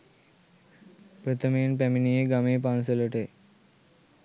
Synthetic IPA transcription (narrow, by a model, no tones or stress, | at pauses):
pɾət̪ʰəmenpɛminijeɡameːp̬ans̬ələʈe